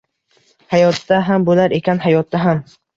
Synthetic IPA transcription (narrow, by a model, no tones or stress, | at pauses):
hajɒt̪ːaɦambolaɾe̞kʲʰanɦajɒt̪ːaɦam